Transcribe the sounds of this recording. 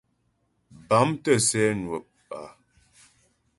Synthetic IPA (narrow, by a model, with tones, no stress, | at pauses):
ba˨˦mtə˦˨sɛ˦nwə˨p̚ | a̰˨